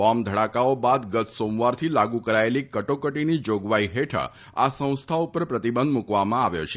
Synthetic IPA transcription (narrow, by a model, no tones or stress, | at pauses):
ɔmd̪ʱəɽakaobad̪ɡət̪somʋaɾt̪ʰilaɡukəɾaelikəʈokəʈinid͡ʒoɡʋaiɦeʈʰə̰ | a̰sə̃w̃st̪ʰaupəɾpɾət̪ibə̃nd̪mukʋamãaʋjo̰t͡ʃʰe̥